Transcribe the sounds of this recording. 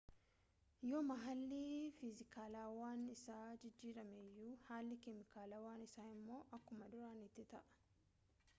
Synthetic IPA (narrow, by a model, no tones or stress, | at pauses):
joːmɐɦɐlːiːfɪzɪkaːlaːwaːnɪsaːd͡ʒɪd͡ʒːiːɾɐmɛjːuːhaːlːɪkɛmɪkaːlaːwaːnɪsaːɪmːo̞ːʔɐkːʊmɐd̪ʊɾaːnɪt̪ːɪt̪ɐʔɐ̥